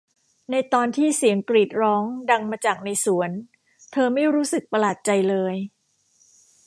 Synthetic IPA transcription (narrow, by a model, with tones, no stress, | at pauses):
na˧jt̪ɔː˧nt̪ʰiː˥˩si˩˦əŋkliː˨˩t̪̚ɾɔː˦˥ŋda˧ŋmaː˧t͡ɕaː˨˩k̚na˧jsu˩˦ən | t̪ʰɤː˧ma˥˩jɾuː˦˥sɯ˨˩k̚pa˧laː˨˩t̪̚t͡ɕa˧jlɤː˧j